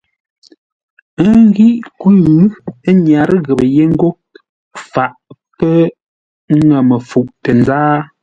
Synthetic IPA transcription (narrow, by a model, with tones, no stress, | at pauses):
ə˦ŋ˦ɡi˦ʔkʉː˦ɲja˨ɾɣə˨bə˨je˦ŋ̩˦ɡo˦ | fa˨ʔpə˦ | ŋɛ˨mə˨fu˨ʔtə˨nzaː˦